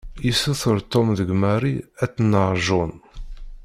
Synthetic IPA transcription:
jisuθəɾt̪ːomðəɡmæɾiæt͡sːnːəɾˤʒʊn

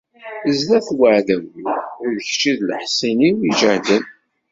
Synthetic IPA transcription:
əzlæθwəʕðæwiðəçt͡ʃiðləħsiniiʒəʕdən

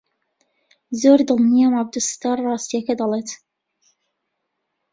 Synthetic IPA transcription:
zoːɾd̪ɨlˠnijamɑb̚d̪ust̪ɑɾrˤɑːst̪ijɐkɐd̪ɑlˠeːt̪

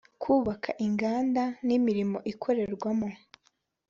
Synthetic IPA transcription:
kʰuːβakʰaʔiŋɡaːndanimiɾimo̞ʔikʰo̞ɾe̞ɾɡwamo

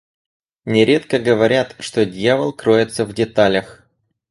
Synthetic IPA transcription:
nʲɪɾʲe̞t̪kəɡəvɐɾʲat̪ʂt̪odʲjavəlˠkɾojɪt̪səvdʲɪt̪alʲəx

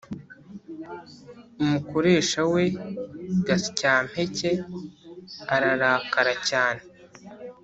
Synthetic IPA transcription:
umuko̞ɾe̞ːʃawe̞ | ɡasi̥caːm̥he̞ce̞ | aɾaɾaːkaɾacaːne

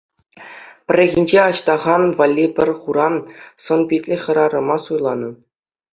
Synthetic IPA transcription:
pʲɘ̆rʲːɘ̆ɣʲinʲd͡ʑeɑɕt̪ɑʁɑnvɑlʲːipʲɘ̆rʲχuɾɑnsŏnbʲitʲlʲɘ̆χʲɤ̆ɾɑɾɤ̆mɑsujlˠɑnɤ̆

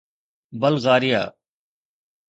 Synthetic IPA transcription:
bəlɣaːɾɪja̰ː

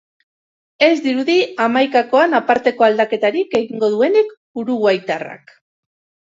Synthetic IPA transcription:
e̞zd̪iɾuðiamajkako̞anapaɾt̪e̞ko̞ald̪ake̞t̪aɾike̞ɣ̞iŋɡo̞ðue̞nekbuɾuɣwajt̪ara̰k

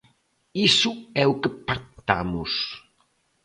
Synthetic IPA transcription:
isuɛukəpak̚t̪a̰mus

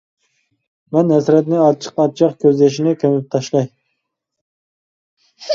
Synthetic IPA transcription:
mɛnhɛsɾɛt̪nɪɑt͡ʃʰə̥qɑt͡ʃʰɑqkʲʰøzlɛʃ̬ɪnɪkʰʲømɪp̚t̪ʰɑʃlˠɑj

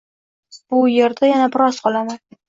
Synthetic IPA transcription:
b̥ʊjeɾd̪ajanabɪɾɒsqʰɒlˠaman

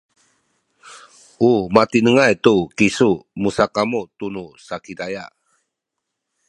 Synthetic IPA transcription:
umat̪inəŋajt̪ukisumusakamut̪unusakidaja

